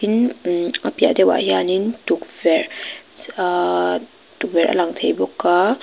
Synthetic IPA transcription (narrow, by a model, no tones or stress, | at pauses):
inapija̰ʔdɛwa̰ʔjanintuk̚vɛɾ | tuk̚vɛɾʔɐ̰laŋt̪ʰejbɔkːa